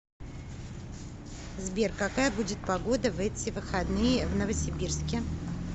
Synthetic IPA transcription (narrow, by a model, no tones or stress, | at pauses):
zbʲerkɐkajəbudʲɪt̪̚pɐɡo̞d̪əvɛtʲɪvɨxɐd̪nɨjəvnəvəsʲɪbʲirskʲɪ